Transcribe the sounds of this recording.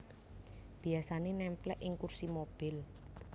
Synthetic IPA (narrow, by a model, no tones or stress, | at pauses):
b̥i̤asanenɛmplɛʔɪŋkursimob̥ɪl